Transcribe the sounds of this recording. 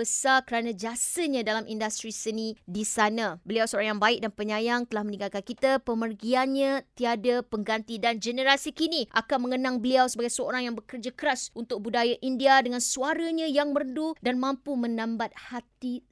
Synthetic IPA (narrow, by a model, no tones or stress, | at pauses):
əsarkəɾanãd͡ʒasəɲãdalamʔindast̪ɾisənidisanãbəliawsəoɾaŋjaŋbaɪk̚danpəɲãjaŋt̪əlahmənĩŋɡalkankit̪apəmərɡianɲãt̪iadapəŋɡant̪idand͡ʒənəɾasikiniʔa̰kanmə̃ŋənãŋbəliawsəbaɡajsəo̰ɾaŋjaŋbəkərd͡ʒakəɾasunt̪ʊk̚budajaʔindiadəŋãnsuaɾaɲãjaŋmərəndudanmãmpumə̃nãmbat̪̚hat̪i